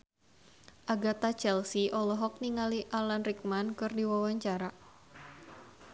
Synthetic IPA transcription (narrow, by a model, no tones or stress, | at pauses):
ʔaɡat̪at͡ʃɛlsiʔɔlɔɦɔk̚niŋaliʔalanrik̚mankɨrdiwawaɲt͡ʃaɾa